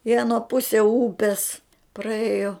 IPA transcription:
ɪ ɐˈnuɔ ˈpʊsʲiɛ ˈuːpʲiɛs prɐˈeːjoː

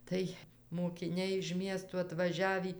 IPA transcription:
ˈtɐɪ moːkʲɪˈnʲɛɪ ɪʃ ˈmʲiɛstuː ɐtʋɐˈʒʲæːʋʲiː

